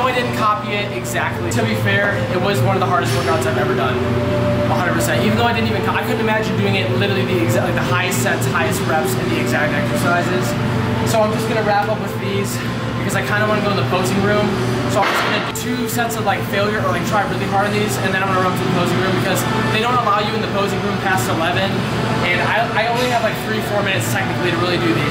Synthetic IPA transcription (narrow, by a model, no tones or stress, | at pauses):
oʊaɪdɪdⁿn̩kʰɑpiɪɾɪɡzæk̚tʰˡlitʰɨbifɛɹ | ɪt̚wʌzwʌ̃nʌvðəɦɑɹɾɨst̚wɜ˞kɑaʊtsaɪvɛvə˞dʌ̃n | əɦʌ̃ndəd̚pʰə˞sɛ̃ntivɨn̩ðoʊaɪdɪdⁿn̩tivɨ̃nkaɪkʰʊdⁿn̩tɨmæd͡ʒɨ̃ndʉɪ̃ŋɪtlɪɾə˞iðiɨɡzliðəhaɪɨstsɛ̃nsʌ̥haɪɨst̚ɹæpsɨ̃nðiɨɡzæk̚tɛksə˞saɪzɪz̥ | soʊaɪ̃md͡ʒʌsɡ̥ʌnɨɹæpʌpwɨð̥fiz̥ | b̥ɨkʰʌzaɪkʰãɪ̃ndəwɑ̃nəɡoʊ̃nðəpʰoʊzɪ̃ŋɹʉ̃m | soʊaɪ̃d͡ʒʌsɡ̥ʌɾɨtʰʉ | sɛ̃ntsʌvlaɪkfeɪlˠjə˞ə˞laɪk̚tʰɹ̥aɪɹɪlˠipʰɑɹɾɨ̃nðizɨ̃nðɨ̃nãɪw̃ʌnəɹʌ̃p̚tʰɨðəpʰoʊzɪ̃ŋɹʉ̃mbɨkʰʌz | ðeɪɾõʊ̃nəvɑlˠjɨɨ̃nðɨpʰoʊzɪ̃ŋɹʉ̃mpʰæstəlɛvɨ̃n | ɨ̃na̰ɪaɪõʊ̃nliɨvlaɪkθɹifɔɹmɪ̃nɨtstʰɛk̚nɨkliɾɨɹɪlˠidɨði